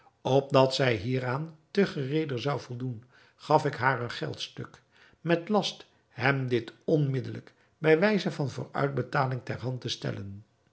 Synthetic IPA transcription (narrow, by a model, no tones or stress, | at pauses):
ɔp̚dɑtsɛjɦiːraːntəχərejdərzɑwvɔlˠdun | χɑfɪkɦaːrənχɛ̰lˠtstɵk | mɛtlɑst | ɦɛmdɪtɔnmɪdələ̰k | bɛjʋɛjzəvɑnvʊ̰ːrœ̰ɥd̚bətaːlɪŋtɛɹɦɑntəstɛ̰lən